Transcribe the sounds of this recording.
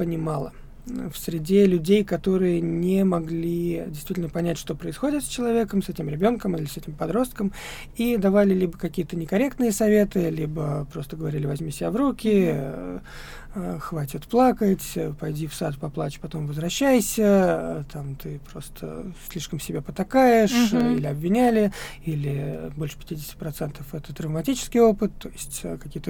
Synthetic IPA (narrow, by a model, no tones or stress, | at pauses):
pənʲɪmɑlˠə̰ | fsʲɾʲɪdʲelʲʉdʲejkɐt̪o̞ɾɨjənʲɪmɐɡlʲidʲɪjst̪vʲitʲlʲnəpɐnʲætʲʂt̪o̞pɾəɪsxo̞dʲɪt̪sʲt͡ɕɪlˠɐvʲe̞kəmsɛtʲɪmɾʲɪbʲo̞nkəmilʲɪsɛtʲɪmpɐd̪ɾo̞st̪kəm | id̪ɐvalʲɪlʲibəkɐkʲijət̪ənʲɪkɐɾʲe̞kt̪nɨjəsɐvʲe̞t̪ɨlʲibəpɾo̞st̪əɡəvɐɾʲilʲɪvɐzʲmʲisʲɪbʲavɾukʲɪ | əxvatʲɪt̪plˠakətʲpɐjdʲifsat̪pɐplˠat͡ɕpɐt̪o̞mvəzvɾɐɕːæjsʲət̪amt̪ɨpɾo̞st̪ʰə̰sʲlʲiʂkəmsʲɪbʲepət̪akajɪʂilʲɪɐbvʲɪnʲælʲɪilʲɪbolʲʂɨ̥pʲɪ̥tʲidʲɪsʲtʲɪ̥pɾɐt̪sɛnt̪əfɛt̪ət̪ːɾəvmɐtʲit͡ɕɪ̥skʲɪjo̞pɨt̪ːo̞jɪsʲtʲkɐkʲijət̪ə